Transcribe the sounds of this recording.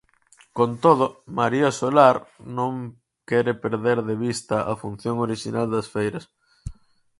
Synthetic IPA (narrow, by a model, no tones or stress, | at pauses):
kont̪oð̞ʊmaɾiasolaɾnõŋ | kɛɾepeɾðeɾðeβist̪ɐʔafun̟θjoŋoɾiʃinald̪ɐsfejɾɐs